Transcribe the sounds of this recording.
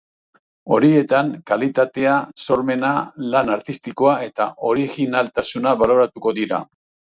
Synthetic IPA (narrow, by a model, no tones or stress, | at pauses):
o̞ɾie̞t̪aŋkalit̪at̪e̞aso̞ɾme̞nalanaɾt̪ist̪iko̞ae̞t̪a̰ʔo̞ɾiɣinalt̪asunaβalo̞ɾat̪uko̞ðiɾa̰